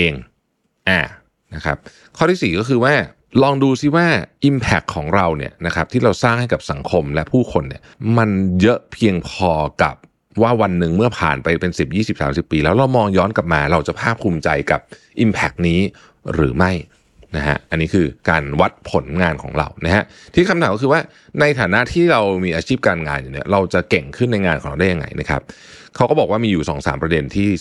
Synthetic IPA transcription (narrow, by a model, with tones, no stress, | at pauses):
ʔeː˧ŋ | ʔaː˨˩ | na˦˥kʰa˦˥p̚ | kʰɔː˥˩t̪ʰiː˥˩siː˨˩kɔː˥˩kʰɯː˧waː˥˩ | lɔː˧ŋduː˧si˥˩waː˥˩ʔi˧mpʰɛ˦˩kʰːɔː˩˦ŋɾa˧wnḭ˦˥˩ɐna˦˥kʰa˦˥p̚t̪ʰiː˥˩ɾa˧wsaː˥˩ŋha˥˩jka˨˩p̚sa˩˦ŋkʰo˧mlɛ˦˥ʔpʰuː˥˩kʰo˧nːḭ˦˥˩ɐma˧njɤ˦˥ʔpʰi˧əŋpʰɔː˧ka̰˨˩p̚ | waː˥˩wa˧nːɯ˨ŋmɯ˥˩ɐpʰa̰ː˨˩npa˧jpe˧nsi˨˩p̚jiː˥˩si˨˩p̚saː˩˦msi˨˩pːiː˧lɛː˦˥wɾa˧wmɔː˧ŋjɔː˦˥nka˨˩p̚maː˧ɾa˧wt͡ɕa˨˩pʰaː˥˩p̚ʰːuː˧mt͡ɕa˧jka˨˩p̚ | ʔi˧mpʰɛ˦˥k̚niː˦˥ | ɾɯ̰ː˩˦ma˥˩j | na˦˥ɦa̰˦˥ʔʔa˧nːiː˦˥kʰɯː˧kaː˧nwa˦˥t̪̚pʰo˩˦nŋaː˧nkʰɔ̰ː˩˦ŋɾa̰˧wna˦˥ha˦˥ʔ | t̪ʰiː˥˩kʰa˧mt̪aː˨˦kɔ˥kɯː˧waː˥˩ | na˧jt̪ʰaː˨˩˦na˦˥t̪ʰiː˥˩ɾa˧wmiː˧ʔaː˧t͡ɕʰiː˥˩p̚kaː˧nŋaː˧njuː˨˩ni˦˥ɐɾa˧wt͡ɕa˨˩ʔke˨˩ŋkʰɯ˥˩nːa˧jŋaː˧nkʰɔː˨˩˦ŋa˧da˥˩ja˧ŋa̰˧jnʔa̰˦˥kʰa̰˦˥p̚ | kʰa˦˥wkɔ˥bɔː˨˩k̚waː˥˩miː˧juː˨˩sɔ̰ː˩˦ŋsa̰ː˩˦mpɾa˧de˧nt̪ʰiː˥˩